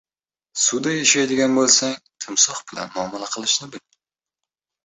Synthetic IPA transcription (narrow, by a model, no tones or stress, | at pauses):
sʊd̪ajaʃajd̪ɪɡʲanbolˠsaŋt̪ʰɪmsɒχbɪla̰nmʊɒːmalaqʰɨlˠɪʃnɪbɪl